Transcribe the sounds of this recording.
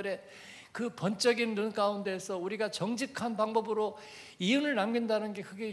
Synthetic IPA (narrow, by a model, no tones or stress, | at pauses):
ɯɾe̞ | kɯpʌnt͡ɕ͈ʌɡinːunk͈aunde̞ːsʰʌuɾiɡat͡ɕʌŋd͡ʑikʰanpaŋbʌbɯɾo | ijunɯɭnamɡindanɯnɡe̞kʰɯɡe̞